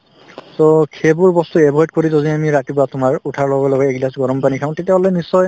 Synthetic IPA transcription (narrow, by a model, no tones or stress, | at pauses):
sokʰebuɹbɔstuɛbʱɔjt̚koɹizoziamiɹatibɔatʊmaɹutʰaɹlɔɡɔlɔɡɔeɡlasɡɔɹɔmpanikʰaʊ̃tetiaɦɔlɔjnisːɔj